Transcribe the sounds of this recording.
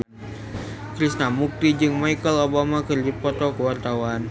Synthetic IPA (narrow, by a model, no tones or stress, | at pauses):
kɾisnamuk̚t̪id͡ʒɨŋmaikəlobamakɨrdipɔt̪ɔkəwart̪awan